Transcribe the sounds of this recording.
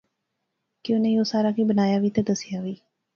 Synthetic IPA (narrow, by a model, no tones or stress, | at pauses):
kɪoneioːsaːɾaːkiːbənaːjaːʋiːt̪eːd̪əsɪjaːʋiː